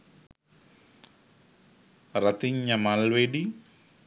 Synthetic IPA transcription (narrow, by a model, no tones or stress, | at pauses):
rat̪iɲːamalwedi